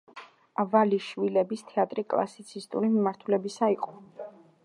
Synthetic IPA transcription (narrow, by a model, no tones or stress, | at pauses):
avaliʃvilɛbist̪ʰɛat̪ʼɾikʼlˠa̰sit̪sʰist̪ʼṵɾimimaɾt̪ʰulɛbisaiqʼɔ̥